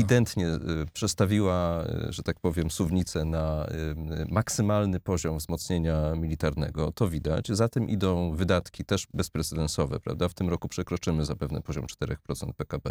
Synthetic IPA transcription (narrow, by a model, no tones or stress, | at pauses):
id̪ɛnt̪ɲɛpʂɛt̪st̪avʲiwa̰ʐɛt̪ak̚pɔvʲjɛmsuvɲit̪sɛna | maksɘmalnɘpɔʑɔmvzmɔt̪sɲeɲamʲilʲit̪aɾnɛ̰ɡɔt̪ɔvʲid̪a̰t͡ɕzat̪ɛmʔḭd̪ɔ̃w̃vɘd̪at̪kʲit̪ɛʐbɛspɾɛt̪sɛd̪ɛnsɔvɛ̰pɾa̰vd̪aft̪ɘmɾɔkupʂɛkɾɔt͡ʂɘmɘzapɛvnɛ̰pɔʑɔ̰mt͡ʂt̪ɛɾɛ̰xpɾɔt̪sɛ̰nt̪̚pɛkabɛ̰